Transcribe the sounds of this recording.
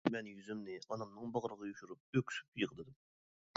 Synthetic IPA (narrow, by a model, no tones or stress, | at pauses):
mɛnjyzmnɪɑnɑmnɨŋbɑʁɾəʁɑjuʃuɾup̚økʲʰy̥sy̥pjəʁd̪ɨd̪ɨ